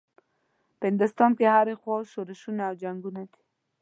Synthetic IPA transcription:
pəɪnd̪ʊst̪ɑnkehaɾexwɑʃoɾɪʃunaːwd͡ʒaŋɡunad̪i̥

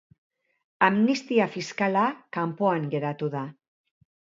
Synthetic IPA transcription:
amnist̪iafiskalakampoaŋɡe̞ɾat̪uða

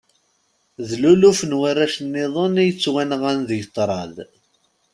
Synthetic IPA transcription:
ðlulufnwarːaʃənːɪðˤənijət͡sːwænʁænðjət̪ˤːɾˤɑð

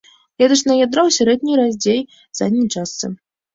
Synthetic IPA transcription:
jʲɛd̪ɨʂnɐjad̪ɾawsʲaɾɛd̪ʲnʲiɾazʲd͡zʲej | z̥a̰d̪ʲnʲijt͡ʂast̪sɨ̰

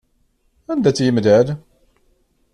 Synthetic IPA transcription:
ænd̪æt͡sːjəmd̪æð

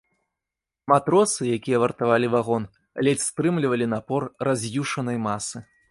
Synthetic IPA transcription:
mat̪ɾɔsɨjakʲijɐvɐrt̪avalʲivaɣɔn | alʲɛt͡sʲst̪ɾɨmlʲivɐlʲinapɔrrazʲjuʂɐnɐjmasɨ

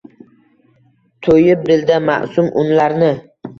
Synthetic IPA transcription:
t̪ʰojɪp̚d̪ɪld̪ama̰ʔsʊmʔʊnlaɾnɪ

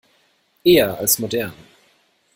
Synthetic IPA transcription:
eːɐalsmodɛɐn

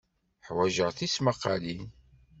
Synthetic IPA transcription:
ħwæʒəʁθisməqːɑlin

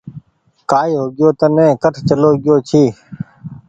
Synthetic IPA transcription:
kaːiːɦoːɡɪjoːt̪ənẽːkəʈʰt͡ʃəloːɡɪjoːt͡ʃʰiː

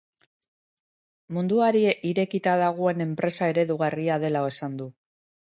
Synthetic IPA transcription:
mund̪uaɾieʔiɾe̞kit̪aðaɣ̞oe̞ne̞mpɾe̞sae̞ɾe̞ðuɣ̞ariaðe̞laoe̞sand̪u

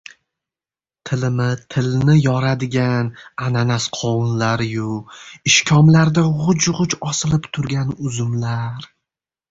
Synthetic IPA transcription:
t̪ʰɪlɪmɪt̪ʰɪlnɪjɒɾad̪ɪɡʲanananasqʰɒwʊnlaɾjʊɪʃkʲʰɒmlaɾd̪aʁʊd͡ʒʁʊt͡ʃɒsɪlɪpt̪ʰʊɾɡʲanʊzʊmlaɾ

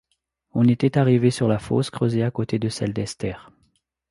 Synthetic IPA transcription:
ɔ̃net̪ɛt̪aʁivesyʁlafo̰skχəzeakot̪ed̪əsɛld̪ɛst̪ɛːʁ

